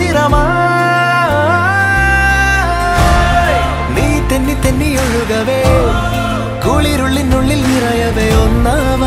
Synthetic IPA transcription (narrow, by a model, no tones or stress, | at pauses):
iɾɐma | niːt̪enːit̪enːijoɻɯɡɐʋe | koːɭiɾuɭːinːuɭːilniɾɐjɐʋeonːɐmɐ